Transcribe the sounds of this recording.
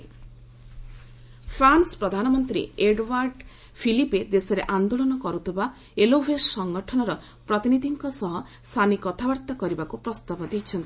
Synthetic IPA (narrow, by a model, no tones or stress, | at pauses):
pʰɾansɔ̥pɾɔd̪ʱanɔmɔnt̪ɾḭeɖwaɾɖ | pʰiliped̪esɔɾeʔand̪oɭɔnɔkɔɾut̪eba | elobʱessɔŋɡɔʈʰɔnɔɾɔ | pɾɔt̪inid̪ʱiŋkɔsɔɦɔ | st̪ʰanikɔt̪ʰabɔɾt̪akɔɾibakupɾɔst̪abɔd̪it͡ʃʰɔnt̪i